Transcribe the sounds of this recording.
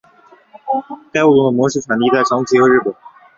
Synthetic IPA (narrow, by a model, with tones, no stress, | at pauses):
t̪a˥˧ɪwu˥˩t̪ʊ˧˥ŋd̪ə˧˩mwɔ˧˥ʂ̩˥˩t͡sʰa˨˩n˧i˧˥t̪a˥˩ɪʈ͡ʂʰɑ˧˥ŋt͡ɕʰi˧˥xɤ˧˥ɻ̩˥˩pə˨˩˦n